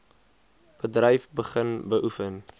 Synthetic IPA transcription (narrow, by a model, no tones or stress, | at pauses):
b̥ədrɛjfbəχənbəʔufən